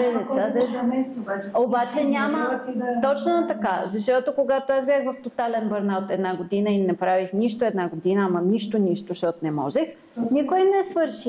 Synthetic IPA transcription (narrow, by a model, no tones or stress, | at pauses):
ɛzɛəd̪mɛst̪ːbat͡ʃɛobat͡ʃɛnʲamət̪t̪ɔt͡ʃnot̪ɐkazɐʃt̪ɔt̪okoɡat̪oasbʲjaxvɐft̪ot̪alɛnbɐɾnaot̪ɛd̪naɡod̪inəinɛpɾavixniʃt̪oɛd̪naɡod̪inəamɐniʃt̪oniʃt̪oʃt̪ɔt̪onɛmɔ̰ʒɛx | nikojmnɛsvɤɾʃi